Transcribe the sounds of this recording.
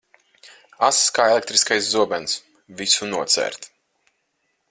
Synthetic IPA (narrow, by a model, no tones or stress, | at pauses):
asskaːelek̚t̪ɾiskajs̬zuɔbɛns | visunuɔt̪sɛ̰ːɾt̪